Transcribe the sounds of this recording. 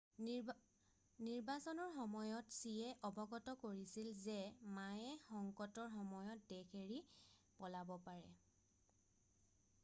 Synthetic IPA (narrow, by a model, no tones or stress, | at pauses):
niɹbasɔnɔɹxɔmɔjɔtsiɛʔɔbɔɡɔtɔkoɹisilzɛmajɛxɔŋkɔtɔɹxɔmɔjɔt̚dekʰeɹi | pɔlabɔpaɹɛ̰